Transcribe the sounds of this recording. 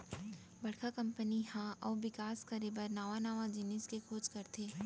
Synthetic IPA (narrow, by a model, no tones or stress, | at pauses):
bɐɽkʰakɐ̃mpənihãʔɔːʋɪkaːskɐɾebəɾnaːʋanaːʋãd͡ʒɪnɪskekʰoːd͡ʒkɐɾt̪ʰeː